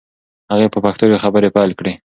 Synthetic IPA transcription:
haɣepəpaxt̪ojoxabəɾepajlkɽe

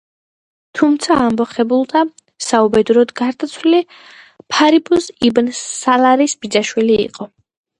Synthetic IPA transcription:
t̪ʰumt̪sʰaːmbɔχɛbulˠd̪a | saubɛd̪uɾɔd̪ɡaɾd̪at̪sʰwlili | pʰaɾibʰusibnːalˠaɾisbid̪zaʃwilḭːqʼɔ

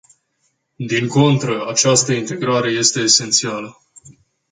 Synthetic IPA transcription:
d̪iŋko̞nt̪ɾəat͡ʃast̪əint̪e̞ɡɾaɾe̞je̞st̪e̞ːse̞nt̪sialə

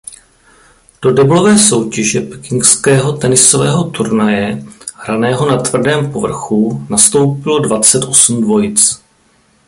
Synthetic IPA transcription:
d̥o̞dɛblo̞vɛːso̞wcɛʒɛpɛ̥kɪŋkskɛːɦo̞t̪ɛnɪsovɛːɦo̞t̪uɾnajɛhɾanɛːɦo̞nat̪vr̩dɛːmpo̞vr̩xunast̪o̞wpɪlo̞dvat͡sɛt̪ʔo̞sm̩dvo̞jɪt͡s

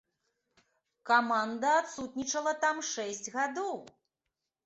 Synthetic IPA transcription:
kamand̪ɐat̪sut̪̚nʲit͡ʂɐlˠɐt̪amʂɛsʲd͡zʲɣad̪ɔw

